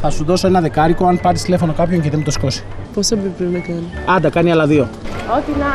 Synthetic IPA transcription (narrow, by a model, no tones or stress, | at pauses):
θɐsuðo̞so̞e̞nɐðe̞kɐɾikoɐnpɐɾist̪ile̞fo̞no̞kɐpço̞ɲceðemut̪osko̞si̥ | posɐpbepipɾepinɐkɐniɐd̪ɐkɐniɐlɐðio̞ot̪inɐ